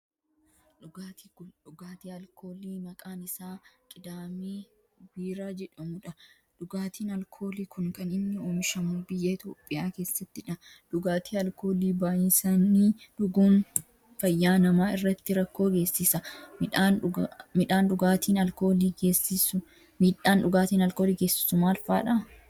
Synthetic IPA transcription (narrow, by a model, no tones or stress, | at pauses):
aːt̪iᶑʊɡaːt̪iːɐlkʰoːliːmɐkʼaːnɪsaːkʼɪd̪aːmiː | biːɾaːd͡ʒɛᶑɐmʊᶑɐ | ᶑʊɡaːt̪iːnɐlkʰo̞ːliːkʊŋkɐnɪnːɪoːmʃɐmuːbɪjːɐɪt̪ʰjo̞ːpʼːɪjaːke̞ːsːɐt̪ːɪᶑɐ | ᶑʊɡaːt̪ʰiːɐlkʰo̞ːliːbaːjɪnsanːiːᶑʊɡuːn | fɐjːaːnɐmaːɪrːɐt̪ːɪɾɐkːo̞ːɡe̞ːsːɪsɐᶑamɪᶑaːnᶑʊɡaːt̪iːnɐlko̞ːliːɡe̞ːsːɪsʊ | miːᶑaːnᶑʊɡaːt̪iːnɐlkoːliːɡe̞ːsːɪ̥sʊmaːlfaːᶑɐ